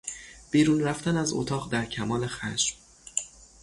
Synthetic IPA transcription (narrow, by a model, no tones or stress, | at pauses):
b̥iːɾuːnɾæft̪ænæzo̰t̪ʰɒːʁd̪æɾcʰæmɒːle̞xæʃm